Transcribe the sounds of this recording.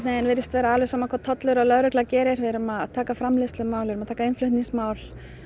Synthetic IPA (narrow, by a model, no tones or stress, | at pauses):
t̪nɪɛnvɪɾɪst̪vɛːɾaaːlvɛsaːmakʰvaðt̪ʰɔt̪lʏɾalœðɾʏklacɛːɾɪɾvɛɾʏmaðt̪ʰaːkafɾamlɪst̪lʏmaːwlvɪɾʏmaðt̪ʰaːkaɪnflʏht̪niŋsmaːwl